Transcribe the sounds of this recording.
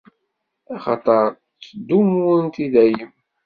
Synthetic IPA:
ɑχɑ̰t̪ˤɑɾˤ | t͡sːd̪ːumwənt̪iðæjəm

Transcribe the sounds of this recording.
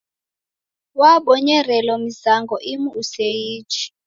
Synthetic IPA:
waɓɔɲɛrɛlɔmizaŋɡɔʔimuuseji̥ːt͡ʃʰi̥

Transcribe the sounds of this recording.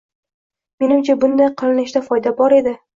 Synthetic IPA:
me̞nɪmt͡ʃʰabʊnd̪ajqʰɨlˠɪnɪʃd̪afɒjd̪abɒɾe̞d̪ɪ

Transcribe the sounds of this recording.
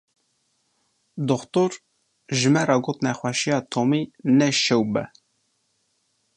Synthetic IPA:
d̪oxt̪oɾ | ʒɨmɛɾɑɡoːt̪nɛxʷɛʃijɑːt̪ʰominɛʃɛwbɛ

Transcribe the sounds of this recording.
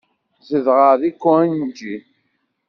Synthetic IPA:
zəðʁəðikːʊnd͡ʒi

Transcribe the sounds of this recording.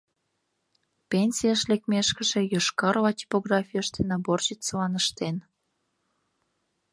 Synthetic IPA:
pʲenʲsʲijɑʃlek̚meʃkə̆ʒĕjoʃkɑɾovɑtʲi̥poɣrɑfʲijɑʃt̪enɑborʒit̪t͡səlɑnəʃt̪en

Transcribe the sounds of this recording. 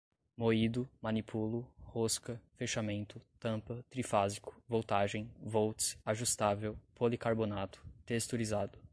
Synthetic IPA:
moid̪ʊmɐnipʰulʊhoskɐfeʃamẽnt̪ʊt̪ɐ̃mpɐt̪ɾifazikʊ̥vowt̪aʒẽj̃vowtsaʒust̪avewpʰolikaɾbonat̪ʊ̥t̪est̪uɾizad̪ʊ

